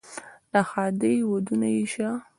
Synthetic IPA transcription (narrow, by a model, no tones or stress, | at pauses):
laxɑd̪ejwod̪unajiʃa